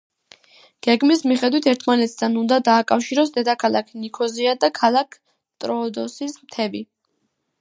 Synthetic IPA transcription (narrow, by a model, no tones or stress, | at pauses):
ɡ̥ɛɡmismiχɛd̪wit̪ʰɛɾt̪ʰmanɛt̪ʰd̪anund̪ad̪aːkʼafʃiɾɔs̬d̪ɛd̪akʰalˠa̰kʰnikʰɔziad̪akʰalˠakʰ | t̪ʼɾɔːd̪ɔsismt̪ʰɛbi